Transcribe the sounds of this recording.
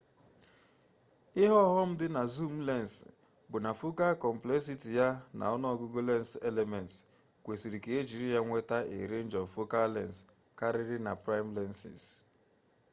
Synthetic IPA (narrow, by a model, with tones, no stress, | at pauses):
ɪ˦ɦɔ˦ɦɔ˦m̩˦dɪ˦na˨zu˦m̩˦lɛ˦˨n˨s | bʊ˨na˨fʊ˦ka˦kɔ˨m̩˨ple˦s̬i˦ti˨ja˦na̰˨ɔ˦nɔ˦ɔ˦ɡʊ˦ɡo˦le˦n˦se˦le˨mɛ˨nts | kʷe˨si˨ɾi˨ke˨e˦d͡ʒi˨ɾi˦ja˦ŋʷe˦ta˦ʔḛ˨ɾe˦n˦d͡ʒɔ˨vfo˦ka˦lɛ˦˨ns | ka˦ɾɪ˦ɾɪ˦na˨pɾa˦ɪ˦m̩˦lɛ˦nsḭ˨s